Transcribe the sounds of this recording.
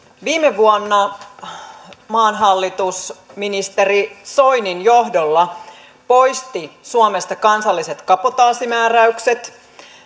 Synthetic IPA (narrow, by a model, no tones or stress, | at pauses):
ʋiːmeʋuonːɑ | mɑːnɦɑlːit̪usminist̪eriso̞jninjo̞ɦdolːɑ | po̞jst̪isuomest̪ɑkɑnsɑlːiset̪kɑpot̪ɑːsimæːræykset̪